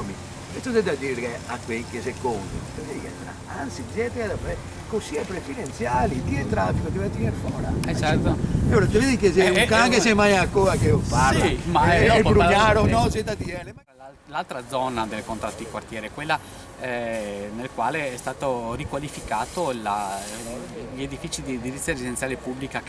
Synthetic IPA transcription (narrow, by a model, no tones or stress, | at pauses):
mi | ket̪ːod̪ed̪ad̪iːɾeakwekesekond̪it̪eved̪ikɛ̰nt̪ɾa̰ | ant̪sid͡ʒɛt̪ead̪apɾɛ | kosiɛpɾefid̪ent̪sjaːlit̪ient̪ɾafikot̪ivat̪ːineɾfɔːɾa̰at͡ʃɛɾt̪oloɾat̪eed̪ikeseukaaŋkes̬emːajakːoːɾakeopaɾsimaajbɾuaɾonɔset̪at̪iɛlea | lalt̪ɾad̪zɔnad̪elkont̪ɾa̰t̪ːid̪ikwart̪jɛːɾekwelːa | nelkwaːleɛst̪aːt̪orikwalifikaːt̪ola | ʎed̪ifit͡ʃid̪id̪iɾit̪sjaeɾezid̪ensjaːlepubːlika